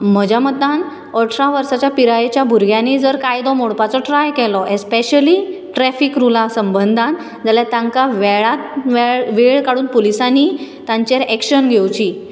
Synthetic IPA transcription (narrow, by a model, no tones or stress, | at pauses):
m̤əd͡ʑʱamət̪an | əʈʰɾaʋəɾsat͡ɕjapiɾajet͡ɕjabʱuɾɡʱjãnid͡zəɾkajd̪ɔmoɽpat͡sɔʈɾajkɛlɔʔespeɕəli | ʈɾɛfikɾulasəmbənd̪ʱan | d͡zaljat̪ãŋkaʋɛɭat̪ʋeɭʋeɭkaɽuːnpolisanit̪ãɲt͡ɕeɾɛkɕənɡʱewt͡ɕiː